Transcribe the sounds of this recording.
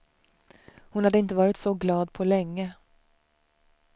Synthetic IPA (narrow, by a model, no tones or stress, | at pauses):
hʊnhad̪ːəɪnt̪əvɑːɾɪt̪sɔɡlɑːd̪pʰɔlɛŋːə